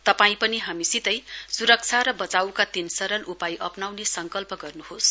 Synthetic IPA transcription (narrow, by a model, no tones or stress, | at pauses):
t̪ʌpaĩpʌniɦamisit̪ʌjsuɾʌk̚t͡sʰaɾʌbʌt͡sawkat̪insʌɾʌlʔupajʔʌpnawnesʌŋkʌlpʌɡʌrnuɦos